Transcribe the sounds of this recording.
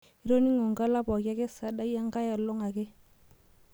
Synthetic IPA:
i˦ɾo˦ni˦ŋɔ˨ŋɡa˦la˦pɔ˨ka˦kɛ˦sa˨da˦ja˦ŋɡa˦ja˨lɔ˦ŋa˨kɛ˦

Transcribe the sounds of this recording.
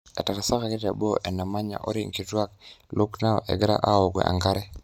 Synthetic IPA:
ɛ˨ta˨ɾa˨sa˦ka˨kɪ˦ta˨bo˦ʔɛ˨na˨ma˦ɲa̰˨ʔɔ˦ɾi˦ŋki˨twa˦k̚lʊ˦kna˦ɔ̰˨ʔɛ̰˨ɡɪ˦ɾa̰˦ʔa˦o˨ɡwɛ̰˨ʔa̰˨ŋɡa˦ɾɛ˦

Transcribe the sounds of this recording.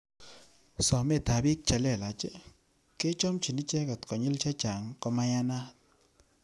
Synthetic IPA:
sɔ˨mɛ˦˨t̪a˨bi˦k̚t͡ʃa˨lɛ˦˨la˨t͡ʃɛ˦ | ke˦t͡ʃɔ˦mt͡ʃi˨ni˦t͡ʃɛ˦kɔ˨t̪kɔ˨ɲi˦lt͡ʃa˦t͡ʃa˨ŋkɔ˦ma˦ja˦na˦t̪̚

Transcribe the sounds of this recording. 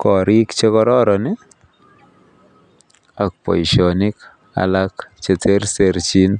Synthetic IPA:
kɔ˨ɾi˦kt͡ʃe˦kɔ˦ɾɔ˦ɾɔ˨nɪ˦ | a˨k̚pɔ̰˨iʃɔ˨nɪ˦k | a̰la˦kt͡ʃe˨tʰe˦ɾse˨ɾt͡ʃi˦n

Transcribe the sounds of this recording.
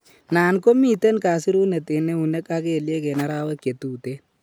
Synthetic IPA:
naː˨nko˦miː˦˨tɛ˦nkaː˨si˦ɾu˦ne˨te˨ne˦u˨nɛ˦ka˦ke˦˨lje˦ke˨na˦ɾaː˦wɛ˦kje˨tu˨te˦

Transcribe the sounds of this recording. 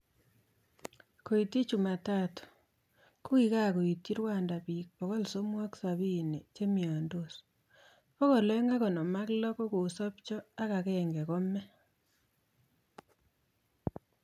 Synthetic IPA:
ko˨i˨ti˦t͡ʃu˨ma˨ta˦to̥˨ | ku˦ki˦ka˦˨ko˨i˨ti˦ɾwa˦˨nda˨pi˨k̚pɔ˨kɔ˦lso˦mwɔ˦ksa˨βi˦˨ne˨t͡ʃe˦mi˨a˨ndo˦˨s | po˦kɔ˨lɛ˦ŋɡa˦kɔ˨nɔ˨ma˦klɔ˦kɔ˦ko˨sɔ˦p̚t͡ʃɔ˦a˦ka˨kɛŋɡɛ˨kɔ˦mɛ˦

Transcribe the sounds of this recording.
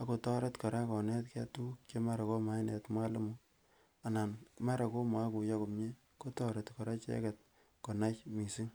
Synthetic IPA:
a˦ko˨tɔ˦ɾe˦tka˨ɾa˦kɔ˨nɛ˦tkɛ˦tu˦kt͡ʃe˦ma˦ɾa˨ko˦ma˦jne˨tma˦le˦mu˦ | a˨na˨nma˦ɾa˨ko˦ma˦ku˨ja˦ko˨mɲe˦ | ko˦tɔ˦ɾe˨tkɔ˨ɾa˦t͡ʃḛ˦kɛ˨t̚ | ko˨na˦t͡ʃmi˨si˦ŋ

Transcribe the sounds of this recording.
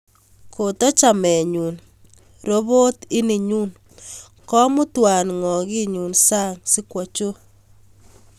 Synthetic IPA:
ko˨tɔ˦t͡ʃa˨mɛ˨ɲu˨n | ɾo˦βo˦tɪ˦ni˨ɲuː˦n | kɔ˦mʊ˦twa˨nŋɔ˨ɣi˦ɲu˨nsa˦ŋsi˦kwɔ˨t͡ʃo˦

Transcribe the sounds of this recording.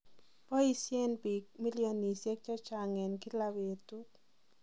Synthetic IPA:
pɔ˦i˦sje˦nbi˨k̚mi˦lijo˨ni˨sje˦k̚t͡ʃɔ˦t͡ʃa˨ŋɛ˨nki˦la˧we˨tu˦t

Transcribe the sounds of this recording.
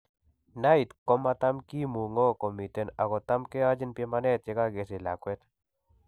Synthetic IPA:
nait̪kɔ˦ma˧t̪amki˦mu˨ŋɔ˦kɔ˨mi˨t̪ena˨ɣɔ˨t̪a˦mke˦ad͡ʒi˦npje˦manɛ˦t̪̚e˦kaɡe˨s̬e˨la̰kwɛt̪

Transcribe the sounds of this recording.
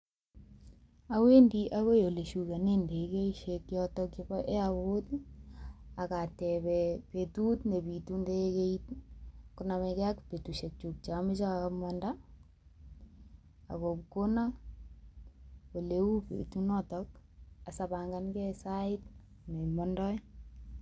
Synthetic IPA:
a˦we˦ndi˦ʔa˦ɣo˦jo˨le˨ʃu˨ka˨ne˦nde˨ke˦iʃekjɔtɔkjɔbɔ˦ʔe˦aβo˦t | a˨katɛpɛpetu˦tne˨pi˨tu˦nde˦e˦keit̚kʊnamɛkɛ˦akpe˨tu˨ʃe˨k̚t͡ʃu˨k̚t͡ʃa˨mɪ˦t͡ʃa˦mɔnda | a̰˨ko˨pko˦na˦ | o˨le˦u˦pḛ˨tu˦nɔ˦tɔk̚a˨sabaŋɡa˦nkɛ˦saɪt | ne˨mɔndɔ˦

